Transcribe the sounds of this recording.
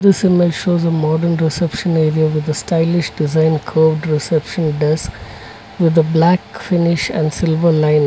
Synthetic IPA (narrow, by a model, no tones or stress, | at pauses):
d̪ɪsɪmelʃoːzəmɔɖəɾnɾɪsɛpʃə̃neːɾiaʋɪd̪əsʈaɪlɪʃɖɪzãɪ̃nkʰoːʋɖɾɪsɛpʃə̃nɖɛsk | ʋɪd̪əblækfɪnɪʃæ̰̃ɳɖsɪlʋəɾlãɪ̃n